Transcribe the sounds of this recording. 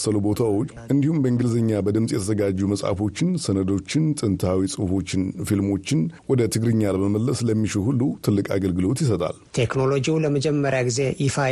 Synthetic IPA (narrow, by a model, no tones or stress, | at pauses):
səlubo̞t̪ʰawo̞t͡ʃːʔɨnd̪ihumbəɨŋɡɨlzəɲːabəd̪ɨmsʼjɛt̪ʰəzəɡad͡ʒːuməsʼa̰fo̞t͡ʃːɪnsənəd̪o̞t͡ʃːɪnt̪ʼɨnt̪ʰawisʼɨfo̞t͡ʃːɪnfilmo̞t͡ʃːɪnwɔd̪ət̪ʰɨɡɾɨɲːaləməməlːəsləmːit͡ʃɪlhulːut̪ʰɨlːɨkʼa̰ɡəlɡɨlo̞t̪jɪs̬ət̪ʼa̰lt̪ʰe̞kno̞lod͡ʒiwuləməd͡ʒɛmːəɾjaɡize̞jɪfa